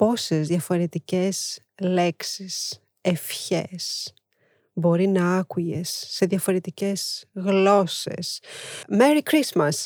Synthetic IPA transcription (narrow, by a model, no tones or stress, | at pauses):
po̞se̞zðjɐfo̞ɾe̞t̪ice̞s | le̞ksis | efçe̞s | bo̞ɾinɐɐkuʝesːe̞ðjɐfo̞ɾe̞t̪ice̞z̥ɣlo̞se̞̰smeɾikɾismɐs